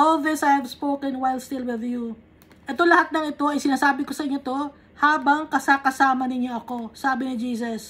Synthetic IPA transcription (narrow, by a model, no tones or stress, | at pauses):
ʔolðɪsɐjhɐvspoːkɛnwajlst̪ɪlwɪðju | ʔɛt̪olɐhat̪̚nɐŋɪt̪o̞ɐjsɪnaːsaːbɪko̞sɐʔɪɲːot̪o̞ | haːbɐŋkɐsakɐsaːmɐnɪɲo̞ʔɐko̞saːbɪnɪd͡ʒiːsɐs